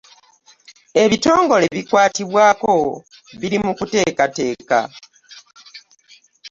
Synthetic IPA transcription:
e̞βito̞ːŋɡo̞le̞βikwaːtiβwaːko̞ | βiɾimukute̞ːkate̞ːka̰

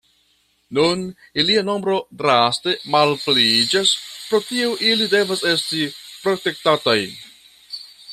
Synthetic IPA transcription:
nun | iliano̞mbɾo̞dɾaste̞malplid͡ʒaspɾo̞tieʔilide̞vase̞stipɾo̞te̞k̚tataj

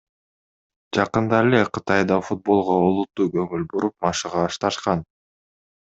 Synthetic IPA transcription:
d͡ʒɑqɯnd̪ɑeleqʰɯt̪ɑjd̪ɑfut̪̚bo̞lˠʁoolˠut̪ːuːkɵŋylbuɾup̚mɑʃɯʁɑːʃt̪ɑʃqɑn

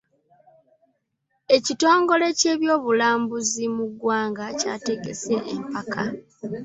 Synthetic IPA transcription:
e̞cito̞ːŋɡo̞le̞ce̞ːβjo̞ːβulaːmbuzimuɡwaːŋɡaca̰ːte̞ɡe̞̰se̞ʔːmpakʰa

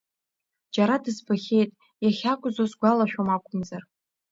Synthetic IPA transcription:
d͡ʒaɾadɨzbaχʲe̞jtʼ | jaχʲakʷʼʊzosɡʷalaʃᶣomakʷʼʊmzar

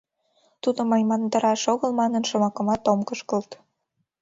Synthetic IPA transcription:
t̪ud̪omɑjmɑnt̪ə̆ɾɑʃoɣəlmɑnənʃə̆mɑkə̆mɑt̪omkəʃkɤlt̪

